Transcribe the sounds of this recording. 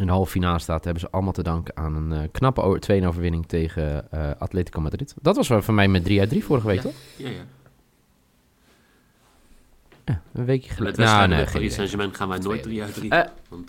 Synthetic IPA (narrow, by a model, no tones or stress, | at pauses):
ɪ̃ndəɦɔlˠfəfinaːləstaːthɛbənzəʔɑlˠəmalˠtədɑŋkəaːnənknɑpətʰʋejənowvəɹʋɪnɪŋtʰejɣəəatleːtikomadritdɔtʋɑsfɔnmɛjmɛdriadrifʊrəχəʋejkktɔχ | jaənʋejkjəəlnnḛχesɛʒəmɛnχaːnʋɛjnojdriain